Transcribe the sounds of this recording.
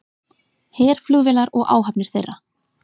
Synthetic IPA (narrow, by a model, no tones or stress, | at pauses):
hɛːɾ̥flʏːɣvɪlaɾɔɣa̰ːwɦapnɪɾ̥θejrːa